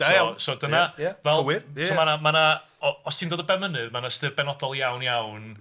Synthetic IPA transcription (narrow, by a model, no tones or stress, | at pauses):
sɔdənaavɛlˠwɪɔmanamana | ɔɔstʰiːndoːdəbɛmənɨðmanastɨrbɛnɔdɔlˠjawnjawn